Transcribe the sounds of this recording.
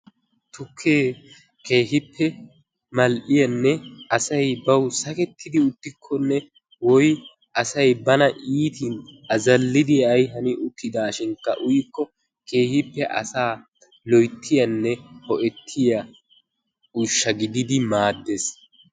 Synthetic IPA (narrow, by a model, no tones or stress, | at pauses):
t̪ʊkʰːeː | ke̞ːɦɪpːɛ | mɐlʔɪjɐnːɛʔɐsɐjbɐwsɐkɛt̪ːɪd̪ɪʊt̪ːɪkʰːɔnːɛ | wɔj | ʔɐsɐjbɐnɐʔiːt̪inʔɐzɐlːɪd̪ɪɐjɦɐnɪʔʊkːɪd̪aːʃɪŋkːɐ̰ʔʊjɪkːɔ | ke̞ːhɪpːɛʔɐ̰saː | lɔjt̪ːɪjɐnːɛhɔʔɛt̪ʰːɪjɐ | ʊʃːɐɡɪd̪ɪd̪ɪmaːd̪ːes